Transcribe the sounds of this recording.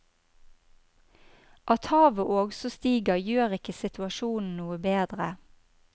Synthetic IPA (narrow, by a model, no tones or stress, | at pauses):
ʔɑt̪ʰhɑːʋʉʔoːɡsɔst̪iːɡəjøːʁɪkəsɪt̪ʰʉɑʃuːnn̩nuːəbeːd̪ʁə